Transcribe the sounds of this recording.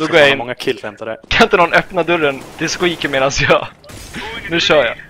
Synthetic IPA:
d̪ɔɡoːɾjaɪɪnŋːʰɪɛnt̪akʰanɪnt̪ənɔnœpnad̪ɵɾːənd̪̥ɛskwiːkəɾmeːd̪ansjɑː | nʉ̟ːɕœːja̰

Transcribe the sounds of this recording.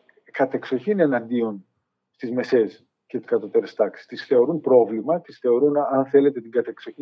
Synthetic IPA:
kɐt̪e̞kso̞çinenɐnd̪io̞n | st̪izme̞se̞s | cet̪i̥skɐt̪o̞t̪e̞ɾe̞st̪ɐksi̥st̪isθe̞o̞ɾunpɾo̞vlimɐt̪isθe̞o̞ɾunɐnθe̞le̞t̪e̞t̪iɡɐt̪ekso̞i

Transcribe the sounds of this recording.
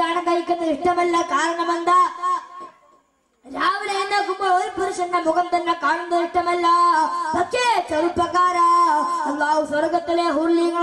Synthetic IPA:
aːɳɐnɡ̪aːjɪkːɯɐnd̪ɐɪʂʈɐmɛlːɐkaːɾɐɳɐmɐnd̪aː | ɾaːʋɪleɾɯnd̪aːkʊmbɐɔɾɯpɐɾɯsɐnːɐmʊɣɐnd̪ɐnːɐkaːɳɯnd̪ɐɪʂʈɐmɛlːaːpɐtt͡ʃeːt͡ʃɐɾɯpːɾɐkaːɾɐɐlːaːɦusɔɾɣɐt̪ːɪleːɦuːlːiɡɐ

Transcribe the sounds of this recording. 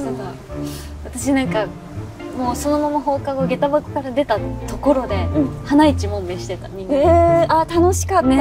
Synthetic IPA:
aa | βat̪aɕinãŋka | mo̞ːso̞no̞mamaɦo̞ːkaɡoɡe̞t̪abakɯ̟̥kaɾad̪e̞t̪at̪o̞ko̞ɾo̞d̪e̞hanait͡ɕimõ̞mbeɕi̥t̪e̞t̪amʲĩat̪ano̞ɕi̥kae

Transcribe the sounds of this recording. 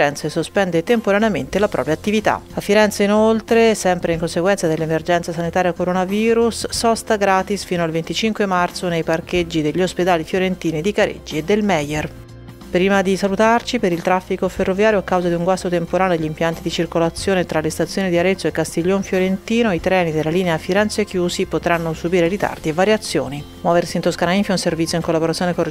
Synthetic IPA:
ɾɛnt̪sesospɛnd̪et̪empoɾaneament̪elapɾʔɔ̰ːpɾjat̪ːivit̪a̰afːiɾɛnt̪seinolt̪ɾesɛmpɾeiŋkonseɡwɛnt̪sad̪elːemerd͡ʒɛnsasanit̪aːɾjakoɾonaviːɾusːɔst̪aɡɾaːt̪isfiːnoalvent̪it͡ʃiŋkwemart̪sonejpark̟ed͡ʒːid̪eʎːosped̪aːlifjoɾent̪iːnid̪ikaɾʔḛd͡ʒːied̪ːelmɛjer | pɾiːmad̪isalut̪art͡ʃipeɾilt̪ɾafːikoferːovjaːɾjoakːawzad̪iuŋɡwast̪ot̪empoɾaːneod̪eʎːimpjant̪id̪it͡ʃirkolat̪sːjoːnet̪ɾalest̪at̪sjoːnid̪iaɾet̪sːoekːast̪iʎːoɱfjoɾent̪iːnoit̪ɾɛːnid̪elːaliːneafiɾɛnsekjuːsipot̪ɾanːosubiːɾeɾit̪a̰rd̪ievːaɾjat̪sːjoːni | mwɔːversiːnt̪oskanaiɱfjaunservit̪sjoiŋkolːaboɾat̪sːjoːneko

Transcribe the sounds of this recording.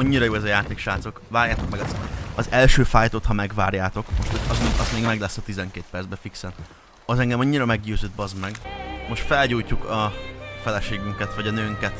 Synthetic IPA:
ɒɲːiɾɒjoːɛzɒjaːt̪eːkʃaːt̪so̞kvaːɾjaːt̪o̞k̚mɛɡɒt̪sɛmɛ̰nɒzɛlʃøːfaːjt̪ot̪hɒmɛɡʋaːrjaːt̪o̞kmoʃt̪hoɒzmʔɒzmeːɡmɛɡlɛsːɒt̪izɛŋkeːt̪̚pɛɾrdzbɛfiksɛn | ɒzɛŋɡɛmɒɲːiɾɒmɛɡ̚ɟøːzøːd̪̚bɒzmɛɡmo̞ʃt̪fɛlɟuːjcːukɒfɛlɛʃeːɡyŋkɛt̪ʋɒɟɒnøːŋkɛt̪

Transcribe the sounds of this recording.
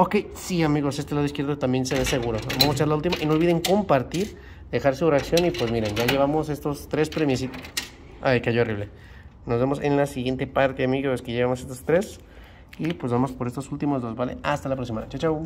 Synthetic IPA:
oke̞jsiamiɣose̞st̪e̞laðois̬kjeɾðot̪ambje̞nseβese̞ɣuɾoβamosat͡ʃaɾlault̪imaʔinolβiðeŋko̞mpaɾt̪iɾ | d̪e̞xaɾsureaksjo̞nipwe̞zmiɾenʝaʝe̞β̞amo̞se̞st̪o̞st̪ɾespɾemis̬it̪o | ajkaʝooriβle̞ | no̞zβe̞mo̞senlasiɣje̞nt̪e̞paɾt̪eamiɣoeskeʝeβamo̞se̞st̪ost̪ɾes | ipwe̞zβamo̞spoɾest̪osult̪imozðo̞zbalḛʔast̪alapɾoksimat͡ʃawt͡ʃaw

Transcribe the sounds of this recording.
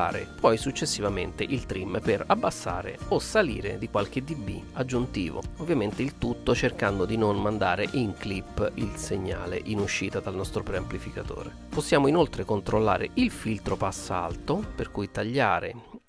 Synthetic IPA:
a̰ːɾḛpʰɔjsut͡ʃːesːivament̪eʔilt̪ɾimperabːasːa̰ːɾḛosalḭːɾed̪ikwalk̟ed̪ibːḭad͡ʒːunt̪iːvo̰ovːjament̪eilt̪ut̪ːot͡ʃerkand̪od̪inonmand̪aːɾeʔiŋklipːilseɲːa̰ːlḛʔinuʃːiːt̪ad̪alnɔst̪ɾopɾeamplifikat̪o̰ːɾe | posːjaːmoinolt̪ɾekont̪ɾolːa̰ːɾḛʔilfilt̪ɾopasːa̰lt̪operkujt̪aʎːaːɾe

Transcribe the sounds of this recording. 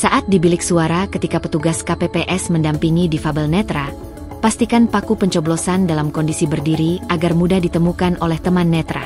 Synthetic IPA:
saʔat̪̚dibilɪk̚suaɾakət̪ikapət̪uɡaskapepeʔɛsməndampiŋidifabɛlnɛt̪ɾa | past̪ikanpakupəɲt͡ʃɔblosandalamkɔndisibərdiɾiaɡarmudahdit̪əmukanʔolɛht̪əmanːɛt̪ɾa̰

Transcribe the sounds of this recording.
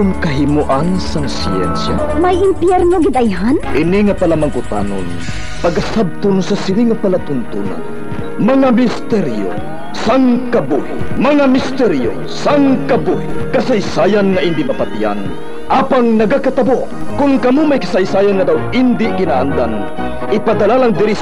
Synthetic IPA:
ʊnkɐɦɪmuʔansaŋsḭɛ̰nsja̰ | majɪmpjɛɾnoɡɪd̪ajɦanʔɪniŋapɐlamaŋkʊt̪a̰ːno̰n | pɐɡasab̚t̪ʊnsasɪniŋapalat̪ʊnt̪ṵna̰n | mɐŋamɪst̪ɛɾjo̰ | saŋkɐbuhɪ̰mɐŋamɪst̪ɛɾjo̰ | saŋkɐbuhɪkɐsɐjsaːjanŋɐʔɪnd̪ɪmɐpɐt̪ija̰n | ʔaːpaŋnɐɡakɐt̪ɐboʔkʊnkɐmumajkɐsɐjsaːjanŋɐd̪awɪnd̪ɪkɪnaʔand̪an | ʔɪpad̪ɐlalaŋd̪ɪɾi

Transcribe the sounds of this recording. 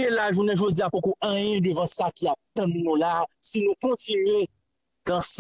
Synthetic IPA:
elaʒunɛ̃ʒod͡ziapokoʔʌ̃jɛ̃d̪evãsakiap̚t̪ɐ̃nnũlasinũkɔ̃tinɥe | ɡãs

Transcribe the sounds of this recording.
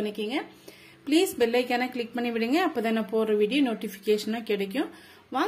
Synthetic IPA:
ɐnɐkːiːŋɡɐ | pliːsbɛlːɐɪkːɐːnãːklɪk̚pɐɳːiʋɪɽɯŋɡɐːpːɐːðɛnːɐpoːɾɐʋiːɽɪjonoːʈɪfɪ̥keːʂɐnːãːkɪɽɛk̬ːʊ̃ | ʋaː

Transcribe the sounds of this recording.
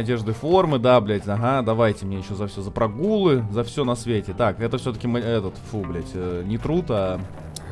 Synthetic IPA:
ɐdʲe̞ʐd̪ɨfo̞rmɨd̪ablʲetʲɐɦad̪ɐvajtʲɪmnʲejɪɕːozɐfsʲozəpɾɐɡulˠɨzɐfsʲɵnɐsvʲetʲɪt̪akɛt̪əfsʲot̪ə̥kʲɪmɛt̪ət̪fublʲætʲənʲɪt̪ɾut̪a

